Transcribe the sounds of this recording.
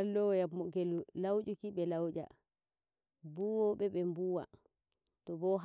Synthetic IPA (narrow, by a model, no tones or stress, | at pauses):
alːɔjamɔɡɛllawd͡ʒukiɓɛlawd͡ʒa̰ | buwɔɓɛɓɛmbuwa̰ | tɔbɔɦ